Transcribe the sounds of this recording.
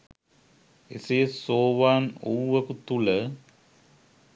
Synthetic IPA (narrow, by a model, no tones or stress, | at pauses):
ḛsejsoːʋaːnowʋɐkut̪ulə